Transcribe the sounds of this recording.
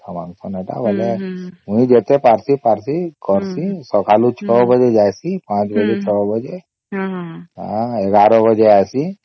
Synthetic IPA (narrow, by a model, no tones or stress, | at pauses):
t̪ʰəmaŋsɔneʈa̰bəleũĩd͡ʒet̪epaɾsipaɾsikɔɾsisɔkʰalut͡ʃʰɔbəd͡ʒed͡ʒajsipãt͡ʃbəd͡ʒet͡ʃʰɔbəd͡ʒe | a̰ɛɡaɾɔbəd͡ʒeajsi